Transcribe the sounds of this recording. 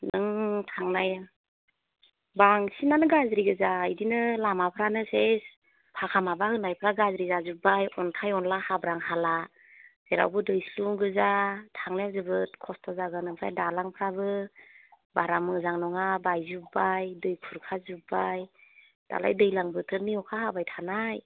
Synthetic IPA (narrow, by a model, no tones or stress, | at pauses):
nɯŋtʰaŋnaja | baŋsinanɯɡazɾiɡɯzaɯjdinɯlamapʰɾanɯses | pʰakʰamabahɯnajpʰɾaɡazɾizazubajɔntʰajɔnlahabɾaŋhala | z̥eɾa̰wbɯdɯjsluŋɡɯzatʰaŋleazɯbɯt̚kʰɔstʰɔzaɡɯnɯŋsa̰jdalaŋpʰɾabɯ | baɾamɯzaŋnɔŋabajzubajdɯjkʰuɾkʰazubaj | d̥a̰la̰jdɯjlaŋbɯtʰɯɾniɔkʰaɦabajtʰanaj